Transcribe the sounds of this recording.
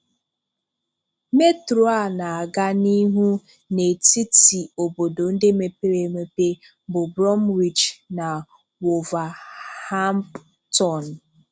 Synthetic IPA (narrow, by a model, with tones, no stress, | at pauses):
me˦tɾo˨˦a˦˨na˨a˨ɡa˦ni˦ɦu˦ | ne˨ti˦ti˨o˨bo˨do˨n̩˦de˦me˨pe˦ɾe˨me˨pe˦ | bʊ˨bɾɔ˦mɾi˨t͡ʃna˨ | wo˨va˨ha˦m˦p | tɔ˨n˨